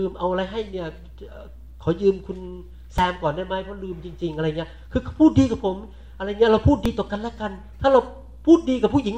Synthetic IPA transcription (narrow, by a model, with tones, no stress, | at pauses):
ɯː˧mʔa˧wʔa˧ɾa˧jɦa˥˩jni˥˩ɐː˨˧˩ | kʰa˨˩˦wjɯː˧mkʰu˧n | saː˨˦mkɔː˨˩nda˥˩jma˦˥˩jpʰɔ˦˥lɯː˧mt͡ɕi˧ŋt͡ɕi˧ŋʔa˧ɾa˧jŋi˦˥ɐkʰɯː˧kʰpʰuː˥˩t̪̚diː˧kaː˨˩pʰo˨˩˦m | ʔa˧ɾa˧jni˦˥ɐɾa˧wpʰuː˥˩t̪̚diː˧t̪ɔː˨˩ka˧nlaː˦˥˩ka˧n | t̪ʰaː˥˩ɾa˧w | pʰuː˥˩t̪̚diː˧kaː˨˩pʰuː˥˩jʔi˩˦ŋ